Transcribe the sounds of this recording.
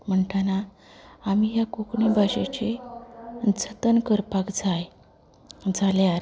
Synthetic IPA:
m̤əɳʈanaː | mijakokɳebʱaɕet͡ɕe | d͡zʱət̪ənkəɾpakd͡zaj | d͡zaleaɾ

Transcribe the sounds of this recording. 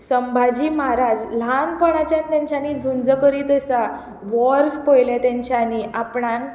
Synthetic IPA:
səmbʱad͡ʑiːmaɾad͡ʑl̤anpəɽ̃at͡ɕjãnt̪jãɲt͡ɕjanid͡zʱund͡zəkəɾiːt̪əsa | ʋɔɾspojlet̪jãɲt͡ɕjaniʔapɳan

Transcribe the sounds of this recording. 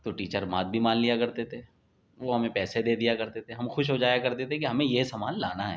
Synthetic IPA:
t̪oʈiːt͡ʃəɾmaːt̪̚bʱimaːnlijakɐɾt̪et̪ʰe | ʋoɦɐmẽpɛːsed̪eːd̪ijakɐɾt̪et̪ʰeɦɐmxʊʃɦod͡ʒaːjakɐɾt̪et̪ʰẽkiɦɐmẽjesɐmaːlːaːnaɦɛ̰ː

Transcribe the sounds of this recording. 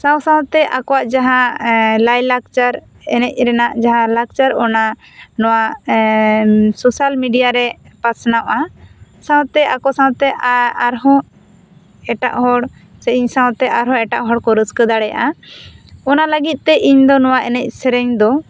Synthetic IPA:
sãwsãwt̪ɛʔakɔwaʔd͡ʒaɦãlajlak̚t͡ʃaɾ | ɛnɛc̚ˀɾɛnaʔd͡ʒaɦãlak̚t͡ʃaɾɔna | nɔwa | sɔsalmiɖijaɾɛ | pasnawʔasãw̃t̪ɛakɔsãwt̪ɛʔaaɾɦɔ̃ | ɛʈa̰ʔɦɔɽ | sɛiɲsãwt̪ɛʔaɾɦɔ̃ɛʈaʔɦɔɽkɔɾəskəd̪aɽɛja̰ʔa | ɔnaləɡit̪̚ˀt̪ɛʔiɲd̪ɔnɔwaʔɛnɛc̚ˀsɛɾɛɲd̪ɔ

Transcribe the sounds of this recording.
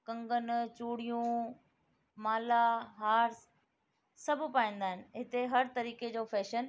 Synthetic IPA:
kɐ̃ŋɡənt͡ɕuːɽijũ | maːlaɦaːɾs | sɐbʱʊpaːĩːnd̪aːɦɪnɪɦɪt̪eɦɐɾt̪ɐɾiːked͡ʑoːfɛːʃən

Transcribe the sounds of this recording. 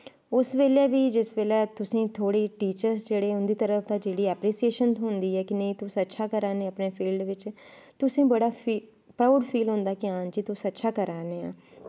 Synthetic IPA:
ʊsʋeːleːʋiːd͡ʒɪsʋeːlɛːt̪ʊsẽːt̪ʰoːɽiːʈiːt͡ʃəɾsd͡ʒeːɽeːʊnd̪iːt̪əɾəfʰd̪ãːd͡ʒeːɽiːɛpɾiːsieːʃənt̪ɦʊ̃nd̪iːɦɛːkɪnəĩt̪ʊsətːʃʰaːkəɾaːnẽəpneːpʰiːlɖʋɪt͡ʃ | t̪ʊsẽːbəɽaːpi | pɾaːʊɖpʰiːlɦʊ̃nd̪aːkɪaːnt͡ʃit̪ʊsətːʃʰaːkəɾaːneːã̰ː

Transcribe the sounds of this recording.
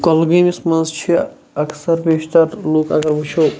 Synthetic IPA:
kolɡimismɐnzt͡ʃʰi | ɐksɐɾbeːʃt̪ɐɾluːkɐ̰ɡɐɾbut͡ʃʰo

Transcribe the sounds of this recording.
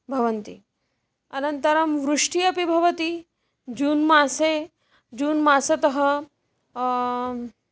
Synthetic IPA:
bʱɐʋɐnt̪i | ɐnɐnt̪ɐɾɐmʋɾuʂʈiɐpibʱɐʋɐt̪i | d͡ʒuːnmaːse | d͡ʒuːnmaːsɐt̪ɐɦɐ

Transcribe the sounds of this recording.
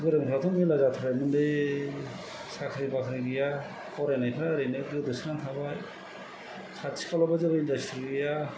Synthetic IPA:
ɡɯɾɯmkʰɾatʰɔmilazatʰaɾajmɯndɯj | sakʰɾibakʰɾiɡɯja | kʰɔɾanajpʰaɾaɾɯnɯɡɯdɯsʰɾantʰabaj | kʰat͡ʃʰi̥kʰalɔbazɯbaindastɾiɡɯja

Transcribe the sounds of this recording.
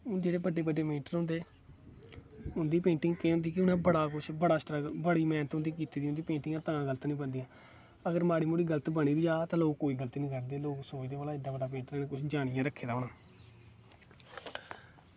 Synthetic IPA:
ʊd͡ʒeːɽeːbəɖːeːbəɖeːmẽːɳʈnõnd̪eː | ʊnd̪iːpẽːɳʈɪ̃ŋɡkeːɦʊ̃nd̪iːkɪʊnãːbəɽaːkʊt͡ʃʰbəɽaːsʈɾəɡbəɽiːmɛ̃ːnt̪ɦʊ̃nd̪iːkiːt̪iːd̪iːʊ̃nd̪iːpẽːɳʈɪŋɡãːt̪aãːɡələt̪nĩːbənd̪iːãː | əɡəɾmaːɽiːmʊɽiːɡələt̪bəɽ̃iːbid͡ʒaːt̪ãːloːkkːoːiːɡəlt̪iːnĩːɡəɽd̪eːloːksoːiːd̪eːbəːlaːɪɖ̪ːãːbəɖaːpẽːɳʈnãːnẽːkʊt͡ʃʰd͡ʒaːɽ̃ɪjãːɾəkʰːeːd̪aːɦoːnaː

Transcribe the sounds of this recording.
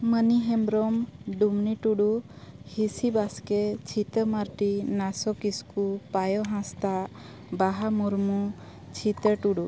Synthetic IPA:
məniɦɛmbɾɔmɖumniʈuɽuhisibasket͡ʃʰit̪əmaɾʈinasɔkiskupajɔɦãst̪a | baɦamuɾmu | t͡ʃʰit̪əʈuɽu

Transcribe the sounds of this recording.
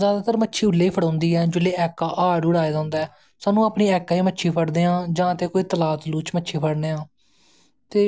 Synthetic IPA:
zjaːd̪aːt̪əɾmətːʃʰiːʊlːeːiːpʰəɽãːnd̪iːɛːd͡ʒʊlːeːʔɛːkːaːʔaːɽʊɽaːeːd̪ãːnd̪aɛː | saːnũːaːpniːɛːkaːiːmətːʃʰiːpʰəɽd̪eːãːd͡ʒãːət̪eːkoːiːt̪əlaːt̪luːt͡ʃmətːʃʰiːpʰəɽneːɦãː | t̪eː

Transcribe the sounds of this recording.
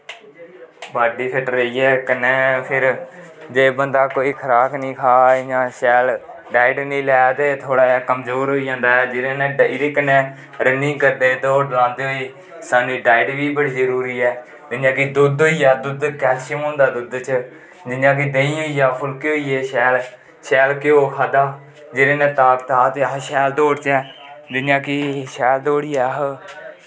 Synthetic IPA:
baːɖiːpʰɪʈɾəiːɛːkənɛ̃ːpʰɪɾd͡ʒeːbənd̪aːkoːiːkʰəɾaːknĩːkʰaːd͡ʒãːʃɛːl | ɖaːɪɖnĩːlɛːt̪eːt̪ʰoːɽaːɛːkəmzoːɾɦoːiːd͡ʒãːnd̪aːɛːd͡ʒɪɾẽːnẽːɪɾɪknɛ̃ː | ɾənĩːŋɡkəɾd̪eːt̪oɖəlãːnd̪eːɦoiː | saːnĩːɖaːɪɖʋiːbəɽiːzəɾuːɾiːɛː | d͡ʒ̪ɪnjãːkɪd̪ʊd̪oːiːaːd̪ʊd̪kɛːʃəmõːnd̪aːd̪ʊd̪t͡ʃə | d͡ʒɪnjãːk̬ɪd̪eĩːɦoːiːjaːpʰʊlkeoːiːeːʃɛːl | ʃɛːlkɪoːɦʰad̪aː | d͡ʒɪɾẽːnẽːt̪aːkt̪aːt̪eːɦʃɛːld̪oːɽt͡ʃɛːd͡ʒɪnjãːkɪʃɛːld̪oːɽiːaːɦ

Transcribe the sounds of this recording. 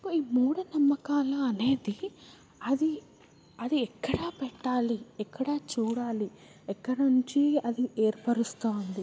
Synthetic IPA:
kuiːmuːɽunɐmːɐkaːlɐːne̞ːd̪i | ɐd̪i | ɐd̪iɛkːɐɽɐːpɛʈːaːliɛkːɐɽɐːt͡ʃuːɽaːli | ɛkːɐɽɐuɲt͡ʃiɐd̪ie̞ːɾpɐɾust̪oːnd̪i

